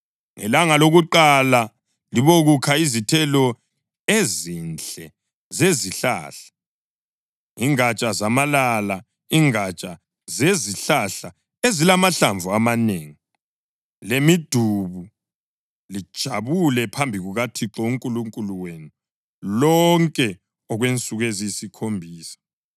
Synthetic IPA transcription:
ŋɛ̰laŋaloɣuǃala | liβoɣukʰaizitʰɛlɔ | ezint͡ɬʼɛ | zeziɬa̰ɬḁ | iŋat͡ʃʼazamalala | iŋat͡ʃʼa | zeziɬaɬa | ezilamaɬaɱvuamaneːŋi | lemid̥ʱuβu | lid̥ʒ̥ʱaβulɛpʰambʱiɣuɣatʰiǁɔuŋkʼuluŋkʼuluwenu | lɔŋkʼɛ | ɔɣwent͡sʼuɣezisikʰombʱiːsḁ

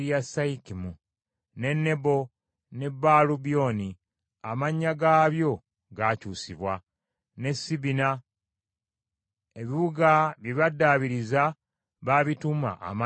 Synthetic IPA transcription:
jasaikimu | ne̞nːe̞bo̞ | ne̞bːaːlubio̞ni | amaɲːaɡaːβjo̞ | ɡacuːsiβwa | ne̞sːiβina | e̞βiβuɡaβjiβadːaβiɾiza | βaβituma̰ʔa̰ma

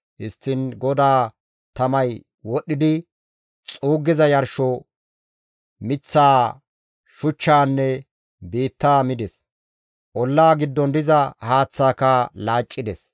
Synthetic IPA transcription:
hɪst̪ːɪnɡɔd̪aː | t̪ɐmɐj | wɔɗːɪd̪ɪ | t͡sʼuːɡːɪzɐjɐɾʃɔ | mɪt͡sːaː | ʃʊt͡ʃːaːnːɛ | biːt̪ːaːmɪd̪ɛs | ʔɔlːaːɡɪd̪ːɔnd̪ɪzɐhaːt͡sːaːkalaːt͡ʃʼːɪd̪ɛs

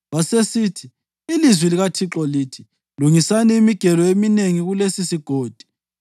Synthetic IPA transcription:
βasesiːtʰiː | lizwiliɣatʰiǁɔliːtʰi̥ | luŋisanɛimiɡ̥ʱɛlɔemineŋiɣulesisiɡ̥ʱoːd̥ʱi̥

